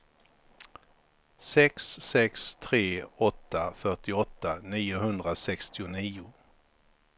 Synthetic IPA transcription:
sɛksːɛkst̪ʰɾeːɔt̪ːafœʈɪɔt̪ːaniːʊɦɵnd̪ɾasɛkst̪ɪʊniːʊ

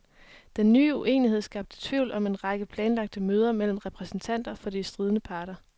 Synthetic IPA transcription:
d̥enːyːuʔe̝̰ːnihe̝ð̞̰ˠsɡ̥ɑ̈b̥̚d̥ə̥t͡sʰʋiʊ̰lɒ̽me̝nʁɑ̈ɡ̥əpʰlɛːnlɑ̈ɡ̥̚d̥əmøːð̞ˠɐmel̰m̩ʁɛpʰʁɛsn̩t͡sʰæn̰d̥ɐfɒ̽disd̥ʁiːð̞ˠənəpʰɑ̈ːɾɐ

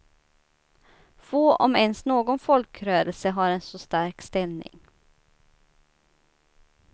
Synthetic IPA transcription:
foːʔɔmɛnsnoːɡɔnfɔlkɾøːɾəlsəɦɑɾɛnsɔst̪æɾkst̪ɛlnɪ̰ŋ

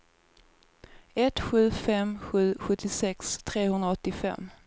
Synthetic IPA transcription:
ɛt̪ɧʉ̟ːfɛmɧʉ̟ːɧɵt̪ʰːɪsɛkst̪ʰɾeːhɵnd̪ɾaɔt̪ːɪfɛ̰mː

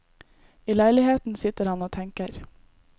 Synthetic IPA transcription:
iːlæɪlɪheːt̪n̩sɪt̪əɾhɑnoːt̪ʰɛŋkəɾ

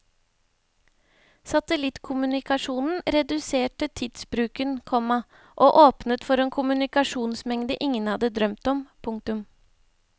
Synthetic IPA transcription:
sɑt̪əlɪt̪kʰʊmʉnɪkɑʂuːnn̩ɾɛd̪ʉseːʈət̪ʰɪd̪sbɾʉːkənkʰɔmɑ | ʔoːʔoːpnət̪fɔɾeːnkʰʊmʉnɪkɑʂuːnsmɛŋd̪əʔɪŋənhɑd̪əd̪ɾœmt̪ɔmpʰʊŋkt̪ʉm

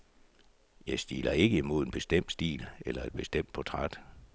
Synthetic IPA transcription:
jɑ̈ɪsd̥ḭːlɐe̝ɡ̥əimo̝ð̞ˠe̝nb̥e̝sd̥em̰d̥sd̥ḭːlelɐe̝d̥̚b̥e̝sd̥em̰d̥̚pʰɒ̽t͡sʰʁad̥

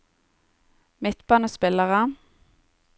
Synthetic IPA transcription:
mɪt̪bɑnoːspɪləʁə

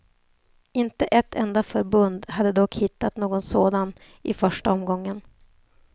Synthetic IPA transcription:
ɪnt̪əʔɛt̪ʰːɛnd̪afœɾbɵnd̪had̪ːəd̪ɔkhɪt̪ːat̪noːɡɔnsoːd̪an | ʔɪfœʂʈaɔmɡɔŋːən

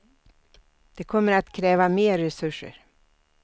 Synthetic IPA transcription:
d̪̥ɛkʰɔmːəɾat̪kʰɾɛːvameːɾːɛsɵʂə̰ɾ

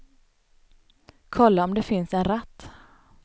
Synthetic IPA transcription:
kʰɔlːaɔmd̪ɛfɪnsɛnɾat̪ː

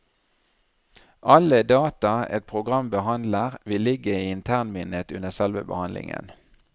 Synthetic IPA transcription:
ʔɑləd̪ɑːt̪ɑɛ̰t̪̚pʰʁʊɡʁɑmbəhɑnd̪ləʁʋɪlːɪɡəiːɪnt̪ʰæʁnmɪnəət̪ʉnəsɛlʋə̰bə̰hɑnlɪ̰ŋə̰n

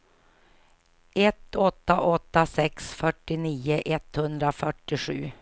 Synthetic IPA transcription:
ɛt̪ːɔt̪ːaʔɔt̪ːasɛksfœʈːɪniːəʔɛt̪hɵnd̪ɾafœʈːɪɧʉ̟̰ː

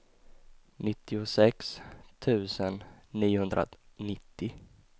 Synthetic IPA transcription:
nɪt̪ːɪʊsɛkst̪ʰʉ̟ːsənːiːʊhɵnd̪ɾʔa̰nɪt̪ʰːɪ

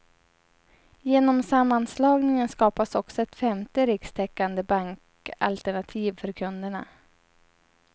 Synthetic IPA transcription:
jeːnɔmsamːanslɑːɡnɪŋənskɑːpasɔksɔɛt̪fɛmt̪əɾɪkst̪ʰɛkːand̪əbaŋk | a̰lt̪ɛɳat̪ʰiːvfœɾkʰɵnd̪əɳa̰

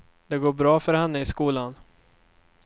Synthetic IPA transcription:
d̪̥ɛɡoːɾbɾɑːfœɾhanːəɪskuːlan

